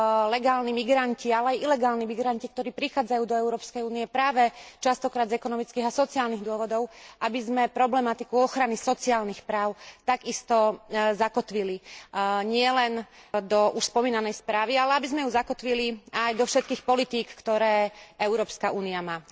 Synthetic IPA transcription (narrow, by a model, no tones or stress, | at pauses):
lɛɡaːlnimiɡɾancialɛajilɛɡaːlnimiɡɾancik̚t̪ɔɾiːpɾixaːd͡zajuːd̪ɔɛʊɾɔːpskɛjuːniɛpɾaːʋɛt͡ʃast̪ɔkɾaːd̪zɛkɔnɔmit͡skiːɣasɔt͡siaːlniɣd̪ʊɔʋɔd̪ɔʊabizmɛpɾɔblɛmat̪ikuɔxɾanisɔt͡siaːlnixpɾaːʊt̪aɡist̪ɔzakɔt̪ʋiliɲɪɛlɛnd̪ɔʔuʃspɔmiːnanɛjspɾaːʋialɛabizmɛjuzakɔt̪ʋiliajd̪ɔfʃɛt̪̚kiːxpɔlit̪iːkːt̪ɔɾɛːɛʊɾɔːpskauːniamaː